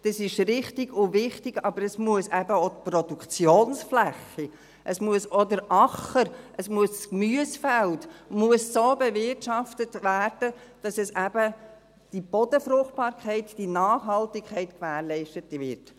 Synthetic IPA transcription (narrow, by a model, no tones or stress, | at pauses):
d̥ɑsɪʃɾɪχtɪɡʊvɪχtɪɡ̥ɑbəɾəsmuəsæbəot̪pɾɔdukt͡sjoːnsflæχːi | ʔəsmuəsodəɾʔɑχəɾʔəsmuəsskmyəsfæltmuəsːoːbɛvɪrtʃɑftətvæːrd̥ə | d̥ɑsɛsæb̥ə | d̥ib̥ɔdəfɾʊχt̚b̥ɑːɾkχɛɪtd̥inɑːχɦɑltɪkʰχɛɪtkʋæːɾlɛɪʃtətʋɪ̰ɾt